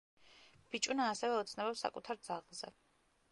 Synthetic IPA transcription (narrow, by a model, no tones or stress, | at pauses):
b̥it͡ʃʼunaːsɛvɛɔt̪sʰnɛbɛpsa̰kʼut̪ʰaɾd̪zaʁlˠzɛ̰